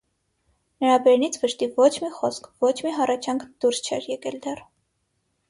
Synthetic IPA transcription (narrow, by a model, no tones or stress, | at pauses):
nəɾɑbɛɾnit͡sʰvəʃt̪ivɔt͡ʃʰmiχɔskʰvɔt͡ʃʰmiɦɑrɑt͡ʃʰjɑŋkʰd̪̥uɾst͡ʃʰɛɾjɛkɛld̪ɛr